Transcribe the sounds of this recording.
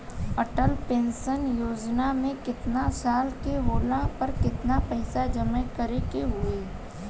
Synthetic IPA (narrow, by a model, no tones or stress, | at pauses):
əʈəlpẽːnsənjoːd͡ʒnamẽkɪt̪nasaːlkeɦoːlãpɐɾkɪt̪napɛːsad͡ʒɐmə̃kəɾekeɦʊeː